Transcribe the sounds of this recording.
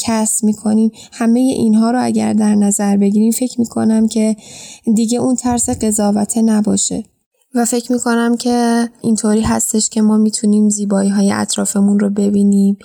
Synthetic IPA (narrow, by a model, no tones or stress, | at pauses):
cʰæstmiːkʰo̞niːm | hæme̞je̞̰ʔinɦɒːɾoæ̰ɟæ̰ɾd̪æɾnæzæɾbe̞ɟiːɾiːmfe̞cʰmiːkʰo̞̰næmcʰe̞d̪iɟe̞unt̪ʰæɾseɢe̞zɒːvæt̪ʰenæbɒːʃe̞̰ | væfe̞cʰmiːkʰo̞næmcʰe̞int̪ʰoːɾiːɦæst̪e̞ʃcʲʰe̞mɒːmiːt̪ʰuniːmziːbɒːiːɦɒːjeʔæ̰t̪ʰɾɒːfemunrobe̞biːniːm